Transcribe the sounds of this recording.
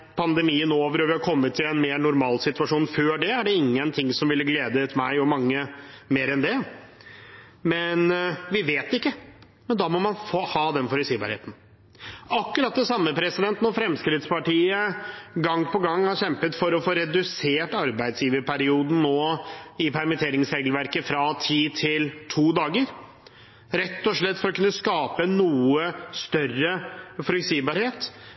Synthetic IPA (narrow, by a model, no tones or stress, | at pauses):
pʰɑnd̪ɛmiːənoːʋəɾɔʋɪhɑɾkʰɔmːət̪ʰːɪlɛnmeːɾɳʊɾmɑːlsɪt̪ʉɑʂuːnføːɖɛæɖɛɪŋːənt̪ʰɪŋsɔmʋɪlːəɡleːd̪ət̪mæɪɔmɑŋːəmeːɾɛnd̪ɛ | mɛnʋɪʋeːt̪ɪkːə | mɛnd̪ɑːmɔmɑnfoːhɑːd̪ɛnfɔɾɪsiːbɑ̰ɾhḛːt̪n̩ | ɑkːʉɾɑt̪̚d̪ɛsɑmːəpʰɾɛsɪd̪ɛnt̪ənɔfɾɛmskɾɪt̪spɑʈiːəɡɑŋːpʰɔɡɑŋːhɑɾɕɛmpət̪fɔɾɔfoːɾɛd̪ʉseːʈɑɾbæɪd̪sjiːʋəɾpʰæɾɪuːd̪n̩nːoːɪpʰæɾmɪt̪ʰeːɾɪŋshɛɡlʋæɾkəfɾɑt̪ʰiːt̪ʰɪlt̪ʰuːd̪ɑːɡəɾ | ɾɛt̪ːɔʂɭɛt̪ːfɔɾɔkʰʉnːəskɑːpənuːəst̪œrːəfɔɾɛksiːbɑɾheːt̪